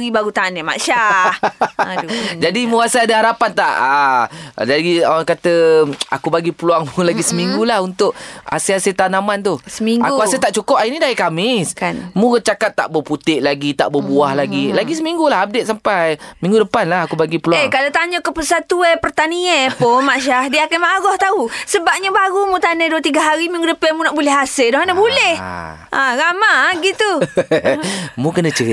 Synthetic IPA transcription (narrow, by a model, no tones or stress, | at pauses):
ɣibaɾut̪anema̰ʃa | d͡ʒadimũasaadaɦaɾapant̪a̰ʔa | d͡ʒaɡiaakat̪əa̰kubaɡipəluaŋmũlaɡisəmiŋɡulahunt̪ʊʔa̰seaset̪anamant̪uhsəmiŋɡakuaset̪aʔt͡ʃukʊp̚ainidaikamɪskanmũkət͡ʃakat̪ːa̰ʔbəput̪ɪʔlaɡit̪a̰ʔbəbuahlaɡilaɡis̬əmiŋɡulaɦap̚det̪̚sampajmĩŋɡudəpanlahakubaɡipəluaeŋkalat̪aɲəkəpəsat̪uepərt̪aniaponmaʃahdiəkanmaɣɔht̪ausəbap̚ɲabaɣumũt̪anajduət̪iɡaɦaɾimĩŋɡudəpamũnaʔbulɛhaseldɔhanabulɛh | ʔãɾamaɡit̪u | mũkənə̃t͡ʃəi